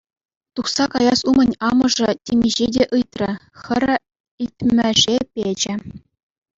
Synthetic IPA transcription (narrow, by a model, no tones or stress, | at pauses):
t̪uχsɑkɑjɑsumɤ̆nʲɑmɤ̆ʐɤ̆tʲemʲiʑedʲeʔɯjt̪ʲrʲɘ̆xʲɘ̆ɾʲ | it̪ʲmʲɘ̆ʐepʲed͡ʑɘ̆